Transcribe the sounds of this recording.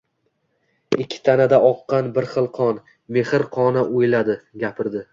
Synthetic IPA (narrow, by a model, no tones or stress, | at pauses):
ɪkʲʰːɪ̥t̪ʰanad̪aʔɒqːɑnbɪɾχɨlˠqʰɒn | me̞hɪɾqʰɒnaʔojlad̪ɪɡʲapʰɪɾd̪ɪ